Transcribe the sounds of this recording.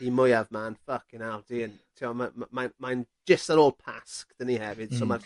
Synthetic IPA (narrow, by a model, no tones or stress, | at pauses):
imʊjavmanfəkinawd̥iən | tʰiɔmamamanman | d͡ʒəstənoːlˠpʰaskd̥ənihɛvɪd̥sɔmar